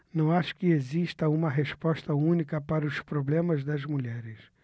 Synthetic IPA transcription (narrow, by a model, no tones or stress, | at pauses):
nɐ̃w̃aʃʊ̥kɪeziʃt̪ɐũmɐɦespɔʃt̪ɐũnikɐpaɾɐʊspɾoblẽmɐzd̪ɐzmuʎɛɾɪs